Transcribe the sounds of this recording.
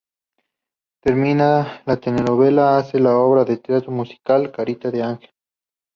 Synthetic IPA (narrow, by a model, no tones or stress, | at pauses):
t̪eɾminalat̪eneɾoβelaːselaoβɾaðet̪ɾat̪ɾomusi̥kalkaɾit̪aðeaŋxel